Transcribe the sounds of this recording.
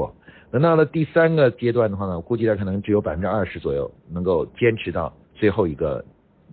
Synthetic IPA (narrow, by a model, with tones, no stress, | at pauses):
ɔ˥˩nə˧˥nɑ˥˩lə˩t̪i˥˩sa˥nɡə˨t͡ɕjɛ˥t̪wa˥˩nd̪ə˩xwa˥˩nə˩ku˥˧t͡ɕi˥˩də˧˩kʰɤ˨˩nɤ˧˥ŋʈ͡ʂɻ̩˥˩jo˧˥pa˨ɪfə˥nʈ͡ʂɻ̩˥ɐ˥˩ʂɻ̩˧˥t͡swɔ˨˩jo̰˥˩ʊnɤ˧˥ŋko˥˩ʊt͡ɕjɛ˥nʈ͡ʂʰɻ̩˧˥t̪ɑ˥˧ʊ | t͡swe˥˧ɪxo˥˩ʊi˧˥ɡə̰˧